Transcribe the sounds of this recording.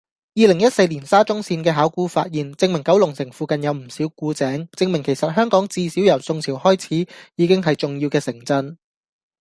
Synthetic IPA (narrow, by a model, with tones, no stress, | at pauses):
jiː˨˧lɪ˨˩ŋjɐ˥t̚se˧jliː˨˩nsaː˥t͡sʊ˥ŋsiː˧nkɛː˧ɦaː˨˥wkuː˧˥fa̰ː˧t̚jiː˨nt͡sɪ˧ŋmɪ˨˩ŋkɐ˨˥wlʊ˨˩ŋsɪ˨˩ŋfuː˧kɐ˨njɐ˨˧wm̩˨˩siː˨˥wkuː˨˥t͡sɛː˨˥ŋt͡sɪ˧ŋmɪ˨˩ŋkʰe˨˩jsɐ˨t̚ɦœː˥ŋkɔː˨˥ŋt͡siː˧si˨˥wjɐ˨˩wsʊ˧ŋt͡sʰi˨˩whɔː˥jt͡sʰiː˨˥jiː˨˧kɪ˥ŋɦɐ˨jt͡sʊ˨ŋjiː˧wkɛː˧sɪ˨˩ŋt͡sɐ˧n